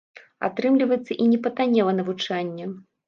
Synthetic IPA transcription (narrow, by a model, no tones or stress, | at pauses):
a̰t̪ɾɨmlʲivɐjɛt̪sːɐʔinʲɛpɐt̪anʲɛvɐnɐvut͡ʂanʲːɛ